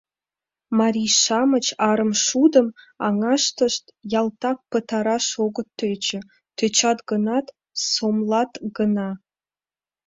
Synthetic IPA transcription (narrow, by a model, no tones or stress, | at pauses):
mɑɾʲiʃɑmət͡ɕɑɾəmʃud̪əm | ɑ̰ŋɑʃt̪əʃt̪jɑlˠt̪ɑk̚pə̆t̪ɑɾɑʃoɡə̆t̪ʰːøt͡ɕə̆ | t̪ʰøt͡ɕɑt̪ɡənɑt̪ | somlˠɑt̪ɡənɑ